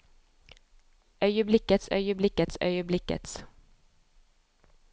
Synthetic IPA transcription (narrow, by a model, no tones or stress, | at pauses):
ʔœʏəblɪkːət̪sœ̰ʏəblɪkːət̪sœ̰jəblɪkːə̰t̪s